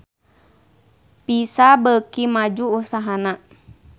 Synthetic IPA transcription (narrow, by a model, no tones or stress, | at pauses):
pisabəkimad͡ʒuːsaɦana